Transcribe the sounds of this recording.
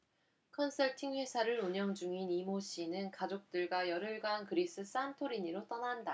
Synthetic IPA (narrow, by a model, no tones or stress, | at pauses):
kʰʌnsʰʌɭtʰiŋɸwe̞sʰaɾɯɾuɲʌŋd͡ʑuŋinimoɕ͈ʰinɯnkad͡ʑok̚t͈ɯɭɡwajʌɾɯɭɡankɯɾis͈ɯs͈antʰoɾiɲiɾot͈ʌnanda